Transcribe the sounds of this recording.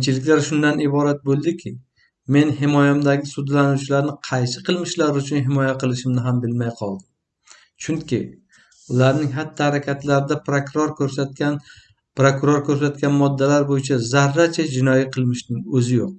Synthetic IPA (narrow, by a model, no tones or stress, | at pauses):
t͡ʃʰɪlɪkʲlaɾʃʊnd̪anɪbɒɾat̪̚bolˠd̪ɪkʲʰɪ | me̞nhɪmɒjamd̪aɡʲɪsʊd̪lanuwt͡ʃʰɪlaɾnɪqʰɑjsɪqʰɨlˠmɪʃlaɾʊt͡ʃʰʊnɦɪmɒjaqʰɨlˠɪʃɪmnɪɦambɪlmajqʰɒlˠd̪ɪm | t͡ʃʰʊŋkʲɪ | ʊlaɾnɪŋɦat̪ːahaɾakʲʰat̪laɾɪd̪apɾɾoɾksaan | pɾokʊɾoɾkʰɵɾs̬at̪̚kʲanmɒd̪ːalaɾbojɪt͡ʃʰazaɾːat͡ʃʰad͡ʒɪnɒjiqʰɨlˠmɪʃnɪŋɵzɪjoq̚